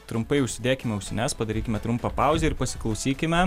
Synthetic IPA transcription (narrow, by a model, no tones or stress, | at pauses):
t̪ɾʊmpɐɪʊʃʲsʲɪd̪ʲeːkʲɪmʲɛʊʃʲsʲɪnʲæspɐd̪ɐɾʲiːkʲɪmʲɛt̪ɾʊmpɑpɑˑʊzʲɛɪɾpɐsʲɪ̥klˠɐʊsʲiːkʲɪmʲɛ